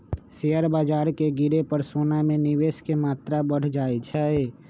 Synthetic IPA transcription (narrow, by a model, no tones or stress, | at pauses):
sejəɾbad͡ʒaːɾkeɡiɾepəɾsonameniweskemat̪ɾabəɽ̤d͡ʒaɛt͡ʃʰɛe